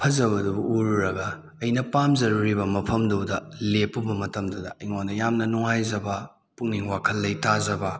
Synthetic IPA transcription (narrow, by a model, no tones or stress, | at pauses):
pʰɐzɐbɐdubɐuɾuɾɐɡɐː | jnɐpamzɐɾuɾibɐmɐpʰɐmdɐwdɐlepːɐbɐmɐtɐmdudɐ̰iŋondɐjamnɐnuŋajzɐbɐ | puŋniŋwakʰɐlːɐjtazɐbɐ